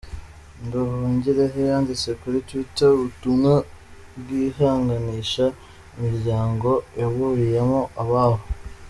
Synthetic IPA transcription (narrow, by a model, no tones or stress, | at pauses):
nduhuːɲɟiɾeɦejaːndit͡se̞kuɾitwiteβutuno | bɡiːhaːŋɡaniʃa | imiɾɟaːŋɡo̞jaβuɾijemoʔaβaβo